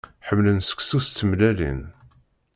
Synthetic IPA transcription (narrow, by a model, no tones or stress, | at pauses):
ħəmːlənsə̥kʷsust̪ːəmlælḭn